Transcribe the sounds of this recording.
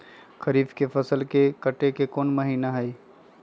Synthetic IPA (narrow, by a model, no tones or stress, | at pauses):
kɐɾiːfkefɐsəlkekɐʈekekɔːnmɐɦiːnaɦɐi